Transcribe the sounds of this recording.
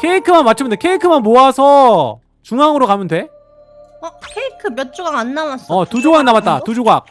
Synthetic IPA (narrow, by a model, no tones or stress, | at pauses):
kʰe̞ikʰɯmanmat̚t͡ɕʰɯmɯndekʰe̞ikʰɯmanmoasʰʌ | t͡ɕuŋaŋɯɾokamjɯnde̞ | ʌkʰeikʰɯmjʌt̚t͡ɕ͈uɡaŋanːawas͈ʌtud͡ʑoɡak̚namat̚t͈atud͡ʑoɡak̚